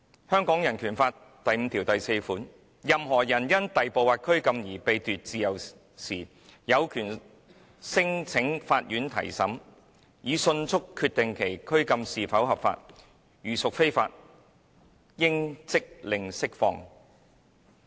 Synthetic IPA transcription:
hœː˥ŋkɔː˨˥ŋjɐ˨˩nkʰyː˨˩nfaː˧t | t̪ɐ˨jm̩˧t̪ʰiː˨˩wt̪ɐ˨jse˧jfuː˨˥n | jɐ˨mɦɔː˨˩jɐ˨˩njɐ˥nt̪ɐ˨jpo˨˧waː˨˧t̚kʰɵ˥ɥkɐ˧mjiː˨˩pe˨˧jt̪yː˨t̚t͡siː˨˧jɐ˨˩w | siː˨˩ | jɐ˨˧wkʰyː˨˩n | sɪ˥ŋt͡sʰɪ˨˥ŋfaː˧t̚jyː˨˥nt̪ʰɐ̰˨˩jsɐ˨˥m | jiː˨˧sɵ˧nt͡sʰʊ˥kʰːyː˧t̚t̪ɪ˨ŋkʰe˨˩jkʰɵ˥ɥkɐ˧msiː˨fɐ˨˥wɦɐ˨pfa̰ː˧t̚ | jyː˨sʊ˨k̚fe˥jfa̰ː˧t̚ | jɪ˥ŋt͡sɪ˥k̚lɪ˨ŋsɪ˥k̚fɔ̰ː˧ŋ

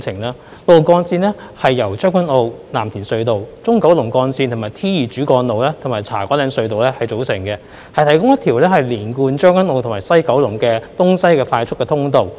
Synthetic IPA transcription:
t͡sʰɪ˨˩ŋlaː˧˥ | lo˨˧wkɔː˧nsiː˧nlɛː˥hɐ˨jːɐ˨˩wt͡ʃœː˥ŋkʷɐ˥no˧wlaː˨˩mt̪ʰiː˨˩nsɵ˧ɥt̪o˨wt͡sʊ˥ŋkɐ˨˥wlʊ˨˩ŋkɔː˧nsi˧nt̪ʰmaː˨˩jt̪ʰiː˥jiː˨˩t͡ʃyː˨˥kɔː˧nlo˨wlɛː˥t̪ʰmaː˨˩jt͡sʰaː˨˩kɔː˨˥lɛː˨˧˥nsɵ˧ɥt̪o˨wlɛː˥hɐ˨jt͡so˨˥wsɪ˨˩ŋkɛ˧ | hɐ˨jt̪ʰɐ˨˩jkʊ˥ŋjɐ˥t̪ʰiː˨˩wlɛː˥hɐ˨˩jliː˨˩nkuː˧nt͡ʃœː˥ŋkʷɐ˥no˧wtʰʊ˨˩ŋmaː˨˩jsɐ˥jkɐ˨˥wlʊ˨˩ŋkɛː˧t̪ʊ˥ŋsɐ˥jkɛː˧faː˧jt͡sʰʊ˥kːɛː˧t̪ʰʊ˥ŋt̪o˨˧w

